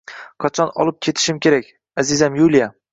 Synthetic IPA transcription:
qʰɑt͡ʃʰɒnɒ̰lˠɪp̚kʲʰe̞t̪ʰɪ̥ʃɪmkʲe̞ɾakʲ | azɪzamjulija

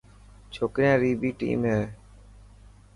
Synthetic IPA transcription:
t͡ʃʰoːkɾɪjãːɾiːbiːʈḭːmɦeː

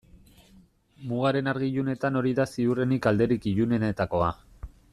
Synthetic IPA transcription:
muɣ̞aɾe̞naɾɣiʎune̞t̪ano̞ɾiðasiure̞nikald̪e̞ɾikiʎune̞net̪ako̞a

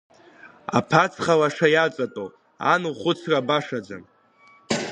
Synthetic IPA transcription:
a̰pʰat͡sʰχalaʂajat͡sʼatʼo | a̰nuχʷʊt͡sʰrabaʂad͡za̰n

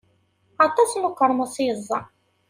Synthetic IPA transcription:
ɑt̪ˤɑsnʊkːəɾˤməsˤjəzˤːɑ

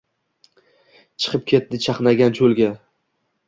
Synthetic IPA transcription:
t͡ʃʰɨ̥qʰɨp̚kʲʰe̞t̪̚d̪ɪt͡ʃʰɑqnaɡʲant͡ʃʰolˠɡʲa

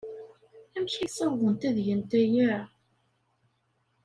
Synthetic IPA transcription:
æmʃisˤɑðˤənt̪æðjənt̪æjæ

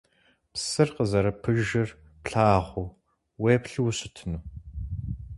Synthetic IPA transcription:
psɨrqəzɐɾɐpʰɨʒɪr | pɬaːʁʷʊ | weːpɬiwɕɪtʰɨnuː

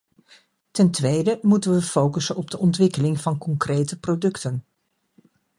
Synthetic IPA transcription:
tɛntʋejdəmutənʋəfowkəsənɔb̚dəʔɔntʋɪkəlɪŋvɑnkɔŋkrejtəprodɵktən

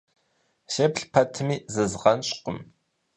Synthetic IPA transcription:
ʃepɬpʰɐtʰɨmiːzɨzʁɐnɕʼqʷʼʊm

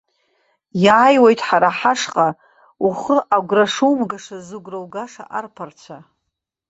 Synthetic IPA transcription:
jaːjwejtʼħaɾaħaʂqʼa | uχəʔaɡʷraʂuwmɡaʂazɨɡʷrowɡaʂa̰ʔarpʰart͡ɕʷʰa

